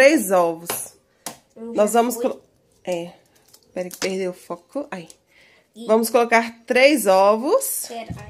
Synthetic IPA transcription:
ɾejzɔvʊs | nɔzvɐ̃mʊsko | ɛ | pɛɾẽpehd̪eʊfɔkʊai | vɐ̃mʊskolokaɾt̪ɾejzɔvʊs

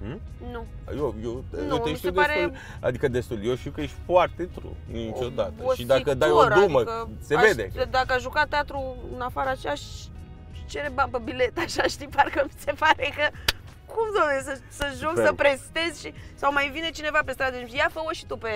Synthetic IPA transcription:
nu | jojonj̪oeiʃt̪eud̪easɾeul | a̰d̪ikəd̪est̪uljoʃt̪iuwkəjeʃt̪ʲfoart̪et̪ɾṵnit͡ʃod̪at̪əoʃid̪akəd̪ajoɾuməkəseved̪ḛd̪akəaʃʒukatt̪ːeat̪ɾuɨnafaɾəat͡ʃejaʃ | t͡ʃe̞ɾebampəbile̞t̪aʃaʃt̪iparkəmise̞paɾe̞kə | kumd̪o̞ɾessəsəʒokssəpɾe̞st̪e̞zʲʃisawmajvine̞t͡ʃine̞vape̞st̪ɾad̪ejafəoʃi̥t̪upe̞

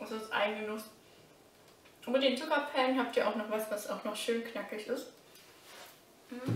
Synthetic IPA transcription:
ʔazosʔa̰ɪnɡənʊs | ʔyːbɐdeːnzuːpɐpʰɛːnɦaːp̚tiːɐʔa̰ʊxnɔχv̥asv̥asaʊxnɔχʃøːnkʰnakɪçɪst | ʔm̩hm̩

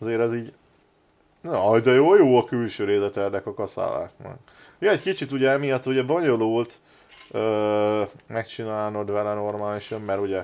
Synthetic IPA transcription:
ɒzeːɾɛziːɟ | nɒjd̪ɒjoːjoːɒkylʃøːɾeːzɛt̪ɛrd̪ɛkɒkɒsa̰ːla̰ːknɒ̰k | joɛckit͡ʃit̪uɟɛɛmijɒt̪ːuɟɛbo̞ɲo̞loːlt̪ | øː | mɛkt͡ʃinaːlnod̪vɛlɛno̞rmaːliʃɒmːɛɾuɟɛ

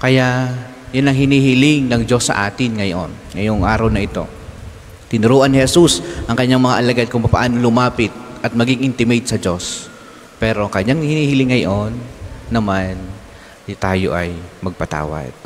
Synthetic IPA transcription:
kɐjaʔ | jʊnɐŋɦɪniːhɪlɪŋnɐŋd͡ʒo̞sːɐ̰ʔaːt̪ɪnŋɐjo̰nŋɐjoŋʔaːɾɐwnɐʔɪt̪o̞̰ | t̪ɪnʊɾuːʔɐnɪhɛsusʔɐŋkɐɲːaŋmɐŋaʔɐlɐɡad̪̚kʊŋpɐpɐ̰ʔaːnolʊmaːpɪt̪̚ʔɐt̪̚mɐɡiŋʔɪnt̪ɪmɛjt̪̚sɐd͡ʒo̞s | pɛːɾokɐɲːaŋhɪniːhɪlɪŋːɐjʔonːɐman | t̪aːjo̞̰ʔɐjmɐɡ̚pɐt̪a̰ːwɐ̰d̪̥̚

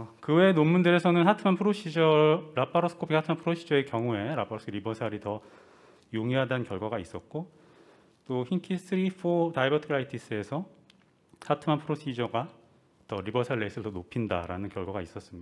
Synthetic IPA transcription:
kɯwe̞nomːundɯɾesʰʌnɯnhatʰɯmanpʰɯɾoɕʰid͡ʑʌɾapʰaɾos͈ʰɯ̥kʰopʰihatʰɯmanpʰɯɾoɕʰid͡ʑʌe̞kjʌŋue̞ɾapʰaɾos͈ʰɯkʰɾibʌsʰaɾitʌ | joŋiɦadankjʌɭɡwaɡais͈ʌt̚k͈o | t͈oçiŋkʰis͈ʰɯɾifʰotaibʌtʰɯɯɾaitʰis͈ɯe̞sʰʌ | sʰatʰɯmanpʰɯɾoɕʰid͡ʑʌɡa | tʌɾibʌsʰaɭːes͈ɯɭtʌnopʰinda̰ɾa̰nɯnkjʌɭɡwaɡais͈ʌs͈ɯmɲia

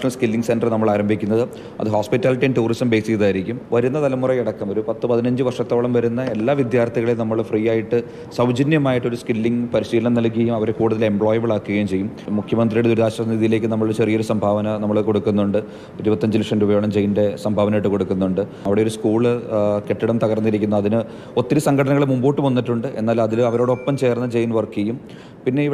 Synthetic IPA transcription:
ʂɐnɐlskilːiŋɡse̞nɖrɨnɐmːɐɭaːɾɐmbʱikʲːunːɐðɨ | ɐ̰ðɨɦoːspitːaːliʈːijnʈuːrisɐmbe̞ːsikːðaːjiɾikʲːumʋɐɾunːɐt̪ɐlɐmːurɐjiɽɐkːɐmo̞ɾupɐt̪ːɨpɐðinɐɲd͡ʑɨʋɐrʂɐt̪ːo̞ːɭɐmʋɐɾunːɐe̞lːaːʋid̪jaːrt̪ʰiɣɐɭilnɐmːɐɭfriːjaːjiʈːɨ | sɐwd͡ʑinjɐmaːjiʈːo̞ɾuskilːiŋpɐɾiɕiːlɐnɐmnɐlkːiɐjumɐʋɐɾekuːɽuðɐlembɭoːjɐʋiɭaːkːuɣɐjumt͡ɕejːummukʰjɐmɐnd̪rijuɽed̪uɾuðaːɕɐsɐniðijile̞ːk̬ʲːɨnɐmːɐɭt͡ɕe̞rijɐoɾusɐmbʱaːʋɐnɐnɐmːɐɭko̞ɽukːunːuɳɖɨ | iɾubɐt̪ːɐɲd͡ʑiliʂɐnubɐjoːɳɐmd͡ʑejnde̞sɐmbʱaːʋɐnɐjiʈːɨko̞ɽukːunːuɳɖɨ | ɐʋiɽeo̞ɾuskuːɭɨke̞ʈːiɽɐmt̪ɐɣɐrnːiɾikʲːunːɐɐðinɨ | o̞t̪ːiɾusɐŋɡʱɐɽɐnɐŋːɐɭemumboːʈːɨmonːiʈːuɳɖɨʔe̞̰nːaːlmɐðilɐʋɐɾo̞ːɽo̞pːɐmt͡ɕe̞ːrnːɐd͡ʑejnʋɐrkːiɣɐjum | pinːe̞iʋ

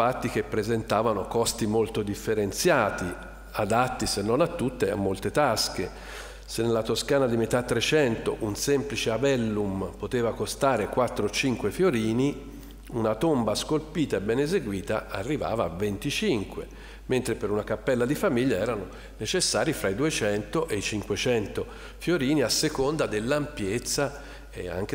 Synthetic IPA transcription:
at̪ːik̟epːɾezent̪aːvanokɔst̪imolt̪od̪ifːeɾent̪sjaːt̪i | ad̪at̪ːisenːonat̪ːut̪ːea̰mːolt̪et̪aske | senːelːat̪oskaːnad̪imet̪at̪ːɾet͡ʃɛnt̪oʔunsemplit͡ʃeabɛlːumpot̪eːvakost̪aːɾekwat̪ːɾot͡ʃiŋkwefjoɾiːni | unat̪ombaskolpiːt̪aebːɛnezeɡwiːt̪a̰a̰rːiva̰ːvaːvːent̪it͡ʃiŋkwḛ | ment̪ɾepeɾunakapːɛlːad̪ifamiʎːaɛːɾano | net͡ʃesːaːɾifɾaid̪uet͡ʃɛnt̪oʔeit͡ʃiŋkwet͡ʃɛnt̪o | fjoɾiːniasːekond̪ad̪elːampjet̪sːa | ea̰ŋk̟

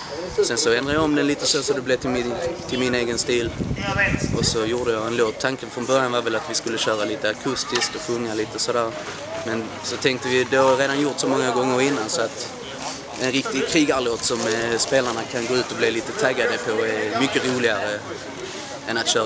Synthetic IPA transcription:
sɛnsɔɛnd̪ɾajɑɔmd̪ɛnliːt̪əsoːsɔd̪ɛblɛːt̪ʰɪmɪt̪ʰɪlmɪneːɡənst̪iːl | ʔɔsɔjuːɖəjɑɛnloːt̪ʰːaŋkənfɾɔnbœɾjanvɑɾvɛlat̪vɪskɵlːəɕœːɾaliːt̪əakʰɵst̪ɪskt̪ɔfɵŋːaliːt̪əsɔd̪æːɾ | mɛn | sɔt̪ʰɛŋk̚t̪əvɪd̪ɛhɑɾeːd̪anjʊɾʈt̪sɔmɔŋːaɡɔŋːəɾɪnːansɔat̪ | ʔɛnɾɪkt̪ɪɡkʰɾiːɡaloːt̪sɔmspeːlaɳakʰanɡoːʉ̟ːt̪ɔblɪliːt̪ət̪ʰaɡad̪əpʰɔɛmʏkːəɾuːlɪɡaɾə | ɛnat̪ɕœː

